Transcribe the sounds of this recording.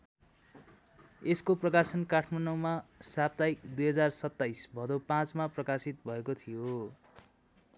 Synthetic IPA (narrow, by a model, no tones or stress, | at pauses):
eskoprʌkasʌnkaʈʰmanʌwmasap̚t̪aikd̪ujɦʌd͡zarsʌt̪ːajsbʱʌd̪opãt͡smaprʌkasit̪̚bʱʌekot̪ʰijo